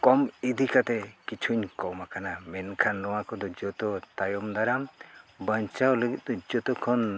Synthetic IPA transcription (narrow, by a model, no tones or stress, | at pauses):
kɔmid̪ʱikat̪ɛkit͡ʃʰuɲkɔmakanamɛnkʰanɾɔwakɔd̪ɔd͡ʒɔt̪ɔt̪ajɔmd̪aɾambəɲt͡ʃawləɡit̪̚d̪ɔd͡ʒɔt̪ɔkʰɔn